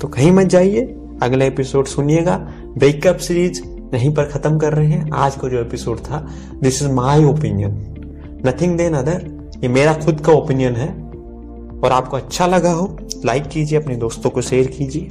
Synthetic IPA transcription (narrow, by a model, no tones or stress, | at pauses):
t̪okɐɦĩmɐt̪̚d͡ʒaːie | ɐɡlaepɪsoːɖsʊnjeːɡaː | bɾeːkɐpsɾiːd͡ʒ | jɐɦĩpɐɾxɐt̪əmkɐɾːɐɦeɦɛ̃aːd͡ʒkod͡ʒoːepɪsoːɖt̪ʰa | d̪ɪsɪzmaːɪoːpɪnijənː | ɐt̪ʰɪ̃ŋɡd̪eːnɐd̪əɾ | jemeːɾaxʊd̪kaoːpɪnijənɦɛ | ɔːɾaːp̚koɐtːʃʰalɐɡaɦo | laːɪkːiːd͡ʒieɐpned̪oːst̪õkoʃeːɾkiːd͡ʒieː